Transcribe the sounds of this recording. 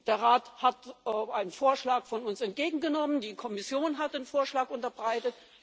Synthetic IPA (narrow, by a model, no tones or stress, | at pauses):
d̥eːɐʁaːthatʔaɪnənfoːɐʃlaːkfɔnʊnsɛnt̚ɡ̥eːɡŋ̩ɡənɔməndiːkʰɔmɪsjoːnɦat̚d̥eːnfoːɐʃlaːkʔʊntɐbʁaɪtət